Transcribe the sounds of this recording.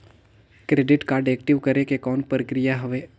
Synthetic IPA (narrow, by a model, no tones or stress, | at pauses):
kɾeːɖɪʈkaːɾɖeːk̚ʈɪʋkəɾekekɔːnpɾkɾijaɦɐʋe